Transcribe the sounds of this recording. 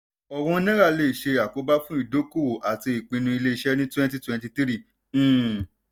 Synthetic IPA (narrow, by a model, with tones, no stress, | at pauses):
ɔ˨wɔ̃˧˦nĩ˦ɾa˦˨le˦˨ʃe˧a˨ko˨˦ba˦fũ˦i˦˨do˨˦ko˦˨o˨ʔa˨ti˧i˨k͡pĩ˧nũ˧i˧le˦i˧˦ʃɛ˦nĩ˦twɛ̃˦nt̬i˦twɛ̃˧nti˧ti˦ɾĩ˦˨˦